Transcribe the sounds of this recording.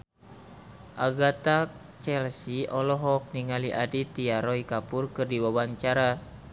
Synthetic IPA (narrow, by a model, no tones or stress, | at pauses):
ʔaɡat̪a | t͡ʃɛlsiɔlɔɦɔk̚niŋaliʔadit̪iaɾɔikapurkɨrdiwawaɲt͡ʃaɾa